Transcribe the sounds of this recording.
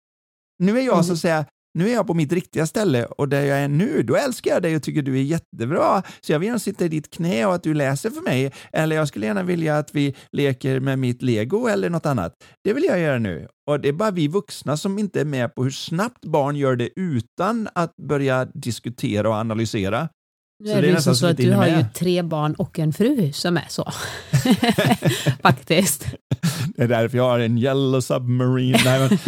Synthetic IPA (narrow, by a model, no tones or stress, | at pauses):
nʉ̟ːæjɑːɡsɔat̪sɛjːa | nʉ̟ːæɾjɑːpɔmɪt̪ɾɪkt̪ɪɡast̪ɛlːə̰ɔd̪æɾjɑːæɳʉ̟ːd̪ɔɛlskaɾjɑd̪ɛjɔt̪ʰʏkːəɖɵæɾjɛt̪ːəbɾɑːsɔjɑːvɪljæːnasɪt̪ːaɪd̪ɪt̪kʰnɛːɔat̪̚d̪ɵlɛːsəɾfœɾmɛjʔɛlːəɾjɑːs̬kɵlːəjæːɳavɪljaːt̪vɪleːkəɾmɛmɪt̪leːɡʊɛlːəɳɔt̪ːanːa̰t̪d̪̥ɛvɪljɑjœːɾanʉ̰ː | ɔd̪ɛæbɑːɾavɪvɵksnasɔmɪnt̪əæɾmɛpʰɔhɵʂnap̚t̪bɑːɳjœːɖɛʔʉ̟ːt̪anat̪̚bœɾjad̪ɪskɵt̪ʰeːɾaɔanalʏseːɾa | nsɛɔddɛnɛst̪assɔhaɾjjɵt̪ʰɾeːbɑːɳɔkːɛnfɾʉ̟ːsɔmæ̰ʂɔ̰ | fakt̪ɪst̪d̪̥ɛːɖ̪æɾfœɾjɑːhaɾɛnjɛlːʊsœbmaɾiːnːɛmɛn